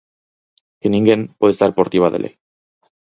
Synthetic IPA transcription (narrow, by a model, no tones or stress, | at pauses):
kenĩŋɡenpweðest̪aɾpoɾt̪iβaðḛlʔḛ